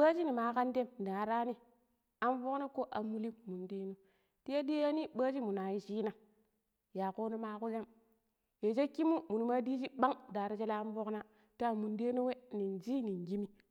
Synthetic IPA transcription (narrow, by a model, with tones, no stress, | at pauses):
ɓa˦t͡ʃi˦ni˨ma˨˦ka˦nde˦m˨da˨ɾa˦ni˦ | a˨nvo˦kna˦ko˦ʔa˨mːu˦li˦mːu˨nde˦no˦ | ti˦ja˦di˦ja˦ni˦ɓa˦d͡ʒi˦mu˨na˨ji˦t͡ʃiː˦na˨ | ja˨ko˦ni˦ma˦ku˦d͡ʒa˦m | je˨d͡ʒe˦ki˦mu˦mu˨nu˨ma˦di˦d͡ʒi˦ɓa˦ŋ˨da˨ɾi˦t͡ʃe˦la˦nvo˦kna˦ | ta˦˨mu˨nde˦no˦we˦ni˨nd͡ʒi˦ni˨ŋɡi˦mi˦